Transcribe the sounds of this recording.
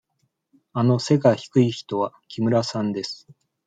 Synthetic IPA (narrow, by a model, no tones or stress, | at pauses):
ano̞se̞ɡaçi̥kɯ̟içi̥t̪o̞βakʲimɯ̟ɾasãnd̪e̞sɨ̥